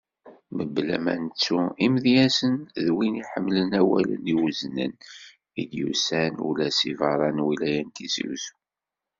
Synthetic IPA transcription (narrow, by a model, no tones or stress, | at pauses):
məblæ̰mæ̰nt͡sːuimðjæsənðwiniħəmːlənæwæ̰lə̰niwəznə̰n | id̪jusænṵlæsivɑɾˤɑnwilæjænt̪isḭwsu̥